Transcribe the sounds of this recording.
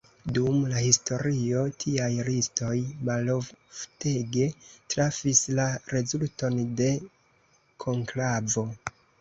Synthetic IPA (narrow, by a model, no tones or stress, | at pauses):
dumlahisto̞ɾio̞tʰiajɾisto̞jmalovfte̞ɡe̞tɾafislaɾe̞zulto̞nde̞ | kʰo̞ŋklavo̞